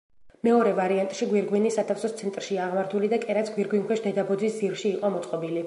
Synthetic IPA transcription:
mɛɔɾɛvaɾiant̪ʼʃiɡwiɾɡwinisːat̪ʰafsɔst̪sʰɛnt̪ʼɾʃiaːʁmaɾt̪ʰulid̪akʼɛɾat̪sʰɡwiɾɡwinkwɛʃd̪ɛd̪abɔd̪zisd̪ziɾʃiːqʼɔmɔt̪sʼqʼɔbili

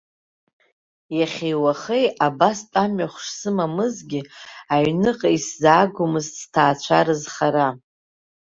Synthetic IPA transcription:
jaχʲejwaχejabastʼamɥaχʷʂsɨmamɨzɡʲɪaɥnɨqʼaiszaːɡʷʊmɨzstʰaːt͡ɕʷʰaɾɨzχaɾa

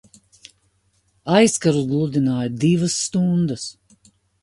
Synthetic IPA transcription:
ajskaɾuzɡlˠud̪inaːjd̪ivəsːt̪und̪əs

